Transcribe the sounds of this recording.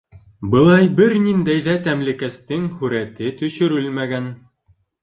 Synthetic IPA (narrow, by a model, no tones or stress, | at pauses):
bɤ̆lˠɑjbɘɾnind̪æjðæt̪æmlɘ̆kæst̪ɘŋhʉɾæt̪ɘt̪ɵ̆ʃɵ̆ɾɘlmæɡæn